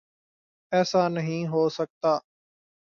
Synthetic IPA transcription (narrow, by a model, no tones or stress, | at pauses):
ɛːsaːnəɦĩːɦoːsək̚t̪aː